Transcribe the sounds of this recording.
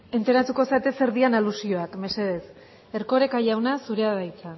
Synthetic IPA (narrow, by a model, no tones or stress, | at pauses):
e̞nt̪eɾat̪uko̞sat̪e̞se̞ɾðianalusio̞akme̞se̞ð̞e̞s | e̞ɾko̞ɾe̞kaʝawnasuɾe̞aðajt͡sa